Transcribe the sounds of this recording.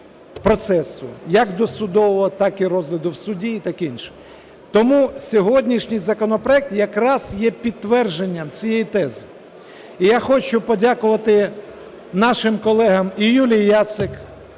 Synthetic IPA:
pɾɔt̪sɛsʊ̰jɐkd̪ɔsʊd̪ɔʋɔɔt̪ɑkiɾɔzlʲɐd̪ʊwsʊdʲiːt̪ɑkinʃɛ̥ | t̪ɔmusʲɔɦɔdʲnʲiʃnʲijzɐkɔnɔpɾɔɛk̚t̪jɐkɾɑz̥jɛpʲid̪̚ːʋɛrʒenʲːɐmt͡sʲijɛjit̪ɛzɪ | ijaxɔt͡ʃʊpɔdʲakʊʋɐt̪ɪ | nɑʃɪmkɔlˠɛɦɐmijulʲijːat̪sɪk

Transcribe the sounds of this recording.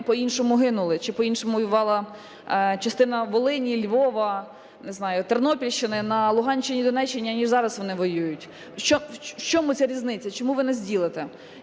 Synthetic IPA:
pɔinʃɔmʊɦɪnʊlˠɪt͡ʃɪpɔinʃɔmʊʋɔjʊʋɑlˠɐ | t͡ʃɐst̪ɪnɐʋɔlˠɪnʲilʲʋɔʋɐ | nɪznɑjʊt̪ernɔpʲilʲʃt͡ʃɪnɪnɐlˠʊɦɑnʲt͡ʃɪnʲid̪ɔnɛt͡ʃːenʲiɐnʲiʒzɑɾɐsʋɔnɪʋɔjujʊtʲ | t͡ʃɔwt͡ʃɔmʊt͡sʲaɾʲiznɪt͡sʲɐt͡ʃɔmuʋɪnɛzʲdʲilˠɪt̪ɛ

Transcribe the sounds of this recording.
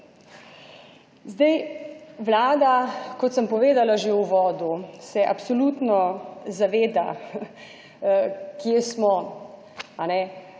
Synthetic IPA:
zd̪ɛjʋlaːd̪akɔt̪səmpɔʋeːd̪alaʒeuʋɔːd̪usɛʔapsɔlut̪nɔzaʋeːd̪a̰ | kjesmɔ | anɛ

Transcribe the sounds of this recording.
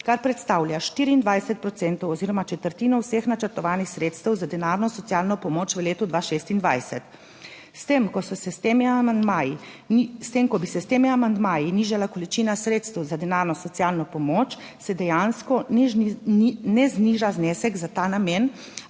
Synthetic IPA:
kaɾpɾɛt̪st̪aːwljaʃt̪iːɾiːnd̪ʋajsɛt̪̚pɾɔt̪sɛːnt̪ɔwɔziːɾɔmat͡ʃɛt̪əɾt̪iːnɔwsexnat͡ʃəɾt̪ɔʋaːnixsɾeːt̪st̪ɛwzad̪ɛnaɾnɔsɔt̪ijaːlnɔpɔmoːt͡ʃʋəleːt̪ud̪ʋaʃeːst̪ind̪ʋajsɛt̪ | st̪emkɔsɔsɛst̪emiamand̪maːjist̪emkɔbisɛst̪eːmiamand̪maːjiniʒalakɔlit͡ʃinasɾeːt̪st̪ɛwzad̪ɛnaɾnɔsɔt̪sijaːlnɔpɔmoːt͡ʃ | sɛd̪ɛjanskɔ | nɛzniːʒaznɛːsɛɡzat̪aːnamjen

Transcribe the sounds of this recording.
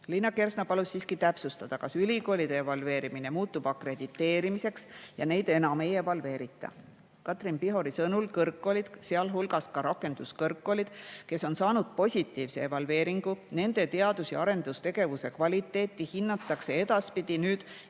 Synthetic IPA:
linːɑke̞rsnɑpɑlussiːskit̪æpsust̪ɑd̪̥ɑkɑsylʲiko̞ːlid̪̥eːvɑlve̞ːɾimine̞muːt̪ːub̥ɑkre̞d̪̥it̪ːˑe̞ːɾimise̞ksjɑne̞jd̪̥e̞nɑme̞jevɑlve̞ːɾit̪ːˑɑ̰ | kɑt̪ˑrinpiɦo̞ɾisɤnulkɤrkːo̞lid̪̥seɑlɦulɡɑskɑɾɑkːe̞nd̪̥uskɤrkːo̞lid̪̥ke̞so̞nsɑːnud̪̥̚po̞sʲit̪ːˑiːvse̞̰evɑlve̞ːɾiŋɡ̥une̞nd̪̥e̞t̪e̞ɑd̪usjɑɾe̞nd̪ust̪e̞ɡ̥e̞vuse̞kvɑlʲit̪ːˑe̞ːt̪ˑːihinːɑt̪ːˑɑkse̞e̞d̪̥ɑspid̪̥inyːd̪̥

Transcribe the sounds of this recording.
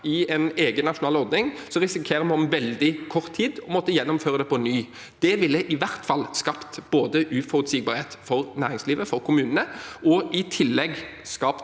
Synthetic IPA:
ɪɛneːɡənːɑʂʊnɑːlɔɾʁd̪nɪŋ | sɔʁɪsɪkʰeːɾəmɔmʋɛld̪ɪkʰɔʁt̪ʰːiːd̪ɔmɔt̪ːəjɛnːɔmføːʁəd̪ɛpʰɔnyː | d̪̥ɛʋɪlːəʔɪʋæʁt̪fɑlːskɑpt̪b̥oːd̪əʔʉfɔɾʉt̪siːɡ̚bɑːɾheːt̪fɔʁnæːɾɪŋsliːʋəfɔɾkʰʊmʉːnənəɔɪt̪ʰɪlːɛɡskɑːpt̪

